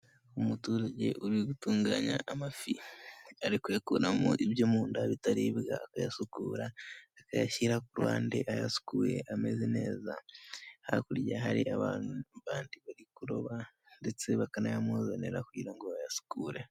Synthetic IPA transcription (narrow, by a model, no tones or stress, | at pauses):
omutuːɾaɟḛʔuɾiɡutuːŋɡaɲa̰ʔːmafiaɾikuekuɾamo̰ʔiβjomuːndaβitaɾiβɡa̰ːkajasukuːɾaːkajaçiɾakuɾaːnde̞ʔaja̰su̥kuːɾe̞̰ʔamezine̞ːza̰ha̰kuɾjaɦaɾiʔaβaːnuβaːndiβaɾikuɾo̞βa | ndet͡se̞βakanajamozeneɾakuɟiɾaŋɡoβajasu̥kuːɾe̞